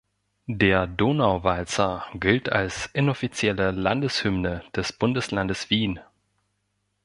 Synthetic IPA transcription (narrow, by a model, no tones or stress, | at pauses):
deːɐdoːnaʊvalt͡sɐɡɪltʰa̰lsʔɪnɔfit͡sjɛləlandəshʏmnəd̥ɛsb̥ʊndəslandəsv̥iːn